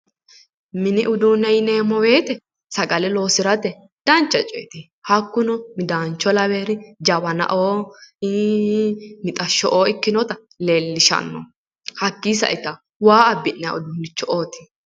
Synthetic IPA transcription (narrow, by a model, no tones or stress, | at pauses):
mɪnɪʔʊd̪unɐjneːmɔwe̞ːt̪ɛ | sɐɡɐlɛlo̞ːsɪɾɐt̪ɛ | d̪̥ɐnt͡ʃːɐt͡ʃʼɛ̰ːt̪i | hɐkːʊnɔmɪd̪aːnt͡ʃːɔlɐweːɾɪd͡ʒɐbɐnɐ̰ʔoː | mɪt̪ʼɐʃːɔʔoːɪkːɪnɔt̪ɐ | leːlːɪʃɐ̰nːɔ̰ | hɐkːiːsɐ̰ʔɪt̪ɐ | waːɐbːɪnːɛɐ̰ʊd̪uːnːɪt͡ʃːɔʔoːt̪ɪ̥